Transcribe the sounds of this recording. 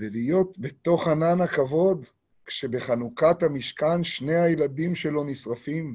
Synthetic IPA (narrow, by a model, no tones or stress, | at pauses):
velijo̞t̪be̞t̪o̞χhananakavo̞d̪ | kʃebe̞χanukathamiʃkanʃne̞jhajeladimʃe̞lo̞nisʁafim